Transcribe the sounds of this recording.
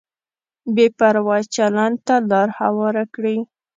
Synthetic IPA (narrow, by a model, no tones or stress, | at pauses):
bepaɾwɑt͡ʃalant̪alɑɾhawɑɾakɽi